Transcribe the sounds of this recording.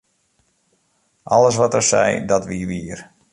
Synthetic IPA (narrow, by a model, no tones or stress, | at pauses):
ʔɔləs̬ʋɔtərsɛ̰jdɔtʋiʋiər